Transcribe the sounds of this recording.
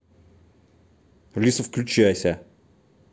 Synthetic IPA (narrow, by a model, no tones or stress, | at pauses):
lʲisəfklʲʉt͡ɕæjsʲə